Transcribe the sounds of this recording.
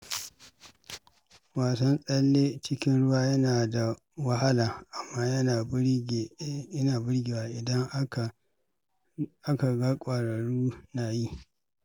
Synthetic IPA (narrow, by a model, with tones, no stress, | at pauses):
waː˨sɐ˦nsʼɐ˦lːeː˦t͡ʃɪ˦kʲɪ˦nɽʊ˦waː˦jɐ˦naː˨da˨ | wɐ˦ha˦laː˨ʔa˨mːaː˦jɐ˦naː˨˦˨ | ɐ˦naː˨bɪ˦ɽɡʲe˨waː˦ʔɪ˨dɐ˦ŋ˨ | ʔa˦ka˨ɡa˦kʷʼaː˨ɽɐ˨ɽuː˦naː˨ji˦